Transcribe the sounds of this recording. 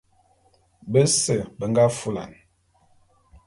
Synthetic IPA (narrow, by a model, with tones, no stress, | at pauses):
bə˦sə˨bə˨ŋɡa˦fu˦la̰˨n